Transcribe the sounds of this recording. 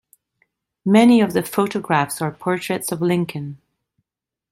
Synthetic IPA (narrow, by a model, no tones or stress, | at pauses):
mɛniʌvðəfoʔəɡɹafsə˞pʰɔɹt͡ʃɹ̥ɛtsəvlɪ̃ŋkʰə̃n